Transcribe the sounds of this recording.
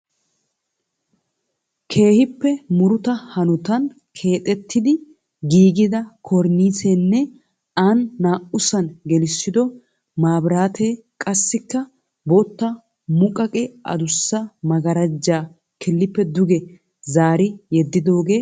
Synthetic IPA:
kʰe̞ːhɪpːɛmʊɾʊt̪ɐhɐnʊt̪ɐn | kʰe̞ːt̪ʼɛt̪ːɪd̪ɪ | ɡiːɡɪd̪ɐkʰɔɾniːseːnːɛ | anːaːʔʊsɐnɡɛlɪsːɪd̪ɔ | maːbɾaːt̪ʰeː | kʼɐsːɪkːɐ | bot̪ːɐ | mʊkʼɐkʼɛʔɐ̰d̪ʊsːɐmɐɡɐɾɐd͡ʒːaː | kʰɪlːɪpːɛd̪ʊɡɛ | zaːɾɪjɛd̪ːɪd̪o̞ːɡe̞ː

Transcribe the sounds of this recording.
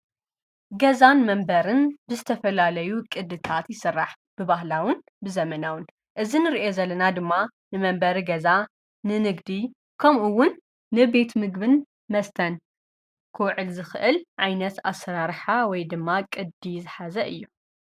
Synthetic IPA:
ɡɐzanmɐmbɐɾɨnbɨzɨt̪ʰɐfɐlalɐjukʼɨd̪ɨt̪ʰat̪jɪsɨrːaħ | b̥ɨbaɦlawʊn | bɨzɐmɐnawɨn | ʔɨzinɨɾiʔo̞zɐlːɐnad̪ɨmːa | nɨmɐmbɐɾiɡɐza | nɨnɨɡd̪i | kʰɐmʔuwʊnː | ɨbe̞t̪mɨɡbɨn | mɐst̪ʰɐn | kʰɨwʕɨlzɨxɨʔɨlʕajnɐt̪a̰sɐɾaɾħawɔjd̪ɨmːakʼɨd̪izɨħazɐʔɨjːu

